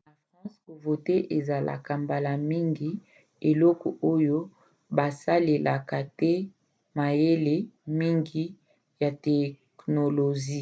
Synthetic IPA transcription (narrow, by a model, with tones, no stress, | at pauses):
la˨fʁã˦sko˨vo˨te˦ʔe˨za˨la̰˨ka˨mba˨la˨mi˦ŋɡi˨ | e˨lɔ˦kɔ˨o˦jo˦ | ba˨sa˦le˨lʔa˨ka˨tɛ˦ | ma˨je˦le˨mi˦ŋɡi˦ | ja˨tɛ˨ | kno˨lo˨ʒi˦